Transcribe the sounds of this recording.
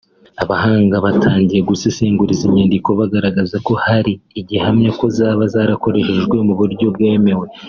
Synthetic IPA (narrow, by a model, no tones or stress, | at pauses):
aβahaːŋɡaβatʰaːɲɟije̞ɡusisiːŋɡuɾiziɲandiko̞βaɡaɾaɡazako̞haɾiːɟihamɲako̞zaːβazaːɾako̞ɾe̞ʃe̞ʒɡwe̞muβuɾɟo̞bɡe̞ːme̞we